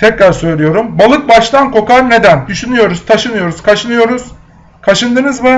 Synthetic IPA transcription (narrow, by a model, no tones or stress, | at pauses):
t̪ʰɛcɾaɾsø̞jlʲijo̞ɾumbalˠɯk̚baʃt̪ankʰo̞kaɾne̞d̪ænd̪yʃynyjo̞ɾuz̥t̪ʰaʃɯnɯjo̞ɾuzkʰaʃɯnɯjo̞ɾuz̥ | kʰaʃɯnd̪ɯnɯzmɯ